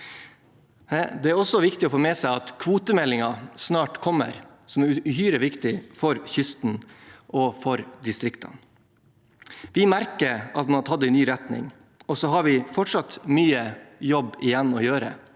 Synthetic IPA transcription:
d̪ɛæɾɔsɔʋɪkt̪ɪɔfoːmɛsæɪɑt̪kʰʋuːt̪əmɛlːɪŋɑsnɑːʈkʰɔmːə̰ɾ | sɔmæɾʉhyːɾəʋɪkt̪ɪfɔɾçʏst̪n̩ʔɔfɔɾd̪ɪst̪ɾɪkt̪ʰɑ̰n | ʋɪmæɾkəɾɑt̪mɑnt̪ʰɑd̪ənyːɾɛt̪nɪ̰ŋ | ɔsɔɦɑɾʋɪfɔʈʂɑt̪myːəjɔbːɪjɛnːɔjøːɾə̰

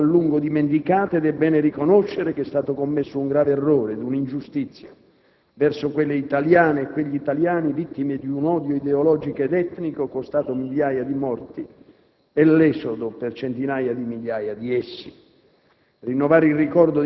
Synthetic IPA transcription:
alːuŋɡod̪iment̪ikaːt̪ed̪ɛbːɛːnɪrikonoʃːeɾek̟ɛst̪aːt̪okomːesːʊuŋɡɾaːveɛrːɔːɾed̪unind͡ʒust̪it̪sːja | vɛrsokwelːeit̪aljaːneːkːweʎːiːt̪aljaːnivit̪ːimed̪iunɔd̪joid̪eolɔːd͡ʒikoed̪ɛt̪ːnikokost̪aːt̪omiʎːaːjad̪imɔrt̪i | ɛlːɛsod̪opert͡ʃent̪inaːjad̪imiʎːaːjad̪iɛsːi̥ | rinːovaːɾilrikɔrd̪o

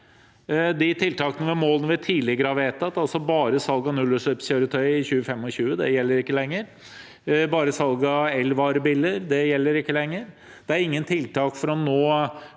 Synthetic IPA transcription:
d̪ɪt̪ʰɪlt̪ʰɑːkənəʋɛmoːlənəʋɛt̪ʰiːlɪɡəɾɑʋeːt̪ɑt̪ːɑlsɔbɑːɾəsɑlɡɑnʉlːəʂœpsçøːɾət̪ʰœʏɪçʉːəfɛmːɔɕʉːəd̪ɛ̰jɛlːəɾɪkːəlɛŋːəɾ | bɑːɾəsɑlɡɑɛlʋɑːɾəbɪlːəɾd̪ɛjɛlːəɾɪkːəlɛŋːəɾ | d̪̥ɛæɾɪŋːənt̪ʰɪlt̪ʰɑːkfɔɾɔnoː

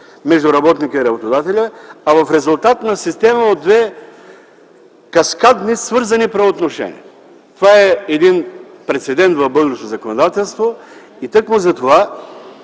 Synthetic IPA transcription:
mɛʒd̪ʊɾɐbɔt̪nikəiɾɐbot̪od̪at̪ɛlʲəɐvɐfɾɛzʊlˠt̪at̪nɐsist̪ɛməod̪ːvɛ | kɐskad̪nisvɤɾzɐnipɾɐot̪noʃɛ̰nḭə | t̪ovaɛɛd̪inpɾɛt̪sɛd̪ɛnt̪vɐvbɤd̪ɾɛʃt̪ozɐkonod̪at̪ɛlˠst̪vo | it̪ɤkmʊzɐt̪ova

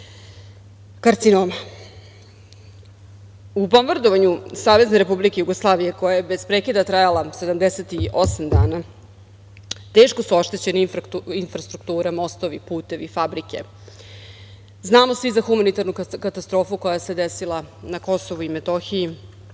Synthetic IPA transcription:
kaɾt̪sinoːma | uponʋrd̪oʋaɲusaːʋe̞zne̞ɾe̞publikejuɡoslˠaːʋije̞ko̞jajebe̞zpɾekid̪at̪ɾajalˠase̞d̪amd̪eset̪iʔo̞samd̪aːna | t̪eːʃko̞suo̞ʃt̪e̞t͡ɕe̞nifinfɾast̪ɾuk̚t̪uːɾamo̞st̪o̞ʋipuːt̪e̞ʋifabɾike̞ | znaːmo̞sʋizaxumanit̪aɾnukkat̪ast̪ɾo̞ːfuko̞jase̞d̪esilˠanako̞so̞ʋuimet̪oxiji

